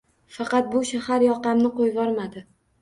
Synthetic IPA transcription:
fɑqɑt̪̚bʊʃahaɾjɒqɑmnɪqojvɒɾmad̪ɪ

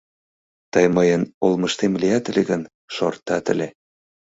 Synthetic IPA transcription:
t̪əjməjənolməʃt̪emliɑt̪ə̆leɣən | ʃort̪ːɑt̪ə̰̆lʲe

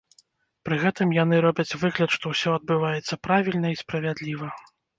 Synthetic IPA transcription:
pɾɨɣɛt̪ɨmjanɨɾɔbʲɐt͡sʲvɨɣlʲɐt̪ʂt̪ɔwsʲɔɐd̪̚bɨvajɛt̪sːɐpɾavʲilʲnɐispɾɐvʲad̪lʲivɐ

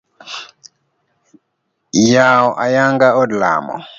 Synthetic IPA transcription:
jaɔʔajaŋɡaɔdla̰ːmɔ̰

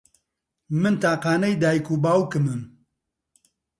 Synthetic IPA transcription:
mɨnt̪aːqaːnɛjd̪aːjkuːbaːwkɨmɨm

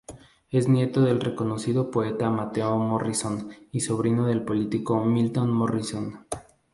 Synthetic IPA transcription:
e̞znje̞t̪oðe̞lre̞ko̞no̞siðo̞poe̞t̪amat̪e̞omoriso̞niso̞β̞ɾinoðe̞lpo̞lit̪iko̞milt̪o̞nmoriso̞n

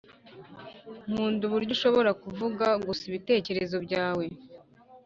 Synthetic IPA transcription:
ŋ̥uːnduβuɾɟuʃo̞βo̞ɾakuvuɡaɡusiβite̞ːce̞ɾe̞zo̞bɟaːwe̞

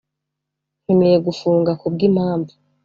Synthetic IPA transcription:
hemejeɡufuːŋɡakubɡimhaːmbi

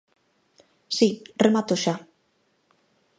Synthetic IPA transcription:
siremat̪oʃa

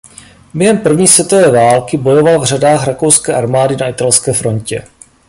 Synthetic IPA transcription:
bjɛɦɛmpr̩vɲiːsvjɛt̪o̞vɛːvaːlkɪbo̞jo̞valvr̝adaːxɾako̞wskɛːʔaɾmaːdɪnaɪt̪alskɛːfɾo̞ncɛ̰

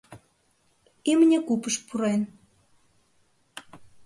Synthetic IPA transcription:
imənʲekupəʃpuɾen

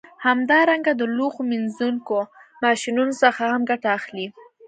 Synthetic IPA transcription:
hamd̪ɑɾaŋɡad̪əloxominzuŋkomɑʃinunosəxahamɡaʈaːxli

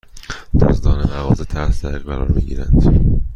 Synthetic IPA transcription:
d̪̥ɒ̰zd̪ɒːnemævɒːzit̪ʰæɾsd̪æɾiːɣɢæɾɒːɾmiːɟḭːɾæ̰nd̪̥

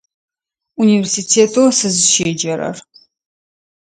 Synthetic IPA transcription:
univɛrsitʰeːtʰowsɨzɨʃeːd͡ʒɐɾɐ̰r

